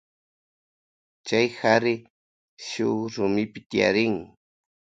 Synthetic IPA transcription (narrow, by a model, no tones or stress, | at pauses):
t͡ʃajhaɾɪ | ʃʊɾʊmɪpɪt̪ɪja̰ɾɪŋ